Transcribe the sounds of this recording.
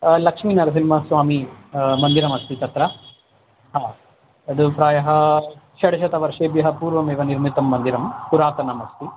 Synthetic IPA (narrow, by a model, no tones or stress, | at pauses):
lɐkʂmiːnɐɾɐs̬inimɐsʋaːmimɐnd̪iɾɐmɐst̪it̪ɐt̪ɾɐ | ɦaː | ɐd̪upɾaːjɐɦɐʃɐɽɐʃɐt̪ɐʋɐɾʂeːbjɐɦɐpuːɾʋɐmeːʋɐniɾmit̪ɐmːɐnd̪iɾɐmkuɾaːt̪ɐnɐmɐst̪i